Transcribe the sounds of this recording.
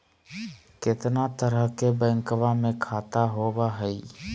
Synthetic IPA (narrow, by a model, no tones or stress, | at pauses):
kɪt̪nat̪əɾəɦkebɛ̃ːŋkʋãmẽkʰaːt̪aɦoːbaɦɛiː